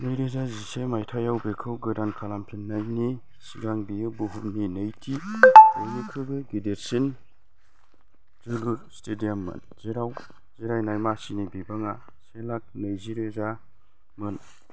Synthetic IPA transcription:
nɯjɾezazisemajtʰajawbekʰɯwɡɯdankʰalampʰinːajni | siɡaŋbijɯbuɦumninɯjtʰiɯnikʰɯɡɯɡideɾsin | zɯluɾstʰedijamːɯ̰n | z̥iɾaw | z̥iɾajnajmasinibibaŋa | selak̚nɯjziɾeza | mɯn

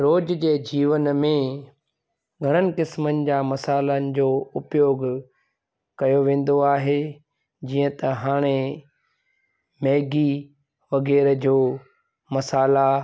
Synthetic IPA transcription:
ɾoːd͡ʑd͡ʑeːd͡ʑiːʋənmẽ | ɡʱɐɽ̃ənɪ̆kɪsmənɪ̆d͡ʑaːmɐsaːlənɪ̆d͡ʑoːʊpjoːɡ | kɐjoʋẽːn̆d̪oaːɦe | d͡ʑiːə̃t̪ɐɦaːɽ̃e | mɛːɡi | ʋɐɣɛːɾd͡ʑoː | mɐsaːla

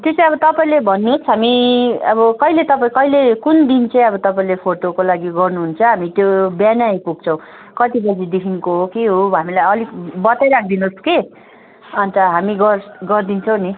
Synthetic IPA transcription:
t̪est͡sãʌbʌt̪ʌpaĩlebʱʌnːuɦosɦamiʌbʌkʌɦilet̪ʌpaĩkʌilekund̪int͡saĩʌbʌt̪ʌpaĩlepʰoʈokolaɡiɡʌrnuɦunt͡sʰʌɦamit̪jobjanajpuɡ̚t͡sʰʌ̃w̃ | kʌt̪ibʌd͡zid̪ekʰinkoɦokeɦoɦamilajʌliɡbʌt̪ajɾak̚ʰd̪inoske | ʌnt̪ʌɦamiɡʌrɡʌrd̪int͡sʰʌ̃w̃ni

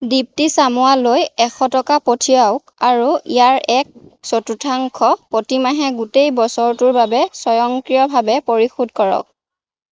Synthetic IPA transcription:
dip̚tisamʊwalojɛxɔtɔkapotʰijaʊkaɹuijaɹɛk̚sotutʰaŋkʰɔpotimaɦɛɡutejbɔsɔɹtʊɹbabɛsɔjɔŋkɹijɔbʱabɛpoɹixud̚kɔɹɔ̰k̚

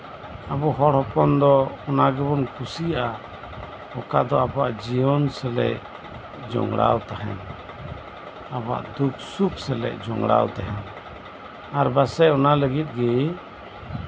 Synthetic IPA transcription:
abɔɦɔɽhɔpɔnd̪ɔɔnaɡɛbɔnkʰusijaʔa | hɔkad̪ɔabɔwaʔd͡ʒijɔnsɛlɛ̰ʔ | d͡ʒɔ̰ŋɡɽa̰wt̪ahɦɛ̰n | aba̰ʔd̪uksup̚sɛlɛ̰ʔd͡ʒɔ̰ŋɽa̰wt̪aɦɛn | aɾbasɛɔnaləɡit̪̚ɡɛ

